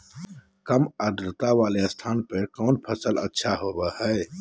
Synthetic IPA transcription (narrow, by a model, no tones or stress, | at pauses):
kəməd̪ɾət̪aʋaːlest̪ʰaːnpekɔːnpʰəsələ̰tːʃʰaɦoːbəhɛː